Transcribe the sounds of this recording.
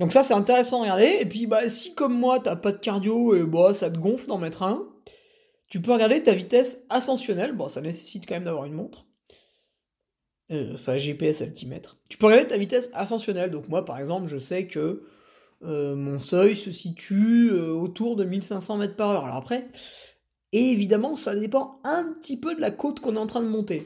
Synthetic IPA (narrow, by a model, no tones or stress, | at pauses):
d̪ɔ̃ksasɛt̪ɛ̃t̪eʁɛsɑ̃d̪əʁəɡaʁd̪eːpɥibasikɔmːwat̪yapad̪əkaʁd̪joebasat̪əɡɔ̃fd̪ɑ̃mɛt̪χɛ̃ | t̪ypøʁɡaʁd̪et̪avit̪ɛsasɑ̃sjɔnɛlbɔ̃sanese̥sit̪kɑ̃mɛmd̪avwaʁynmɔ̃t̪χ | øɑ̃fɛ̃ʒepeɛsapət̪imɛ̰t̪χt̪y̥pøʁəɡaʁd̪et̪avit̪ɛsasɑ̃sjɔnɛld̪ɔ̃kmwapaʁɛɡzɑ̃plʒəsɛkʰəː | mɔ̃sœjsəsit̪ʰyøot̪uʁd̪əmilsɛ̃sɑ̃mɛt̪χpaʁœʁalɔ̰ʁapχɛ | eːvid̪amɑ̃sad̪epɑ̃ɛ̃pət̪ipød̪əlakot̪kɔ̃nɛt̪ɑ̃t̪χɛ̃d̪əmɔ̃t̪e